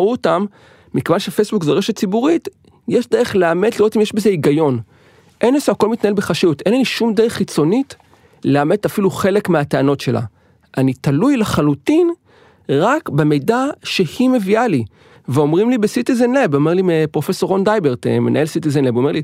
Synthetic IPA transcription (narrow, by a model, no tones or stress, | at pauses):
uotamː | ikevanʃefejsbukzeʁeʃet̚t͡sibuʁit | jeʃdeʁeχleame̞d̪liʁo̞t̪imjeʃbeze̞iɡajo̞n | ʔe̞nesuako̞lmit̪naelbeχaʃijutʔenlaniʃumdeʁeχːit͡so̞nit | lleamet̪afiluχe̞le̞kmeateano̞tʃe̞la̰ | ʔanit̪alujleχalutin | ʁakbemejdaʃe̞hime̞viali | veo̞mʁimlibesit̪izenlebo̞meʁlimepʁo̞fe̞so̞ʁond̪ajbeʁt̪ḛmenʔa̰e̞lsit̪̬izenlebome̞ʁli